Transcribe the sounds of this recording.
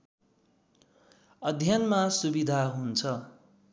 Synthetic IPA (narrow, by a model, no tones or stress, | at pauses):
ʌd̪ʱjʌnmasubid̪ʱaɦunt͡sʰʌ